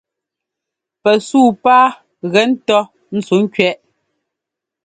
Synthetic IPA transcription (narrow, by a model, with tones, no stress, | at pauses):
pɛ˨suː˦˨paː˦ | ɣɛ˨˦n̩˦tɔ˦ | n̩˦t͡su˨˦ŋ̩˦kɥɛ˦ʔ